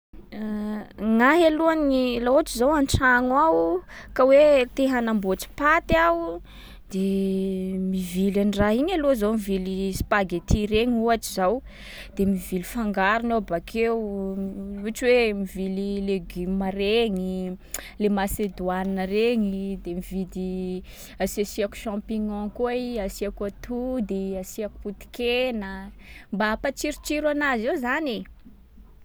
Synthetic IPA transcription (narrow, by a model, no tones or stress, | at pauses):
ŋaɦeluanilauaʈ͡ʂizawanʈ͡ʂaŋwawkawet̪eɦanamboʈ͡ʂi̥pat̪awu | d̪̥e | mivilaniraɦiɲaluazawmivilispaɡet̪iɾeɲiuaʈ͡ʂizaw | d̪̥emivilifaŋɡaɾunawbakʰew | uʈ͡ʂwemivilileɡimaɾeŋilemased̪wanəreŋid̪emivid̪i | asasiaku̥ʃãpiɲɔ̃kuaasiakat̪ʰud̪iasiaku̥put̪i̥kenə | mbaapat͡ʃiɾut͡ʃiɾwanazewzane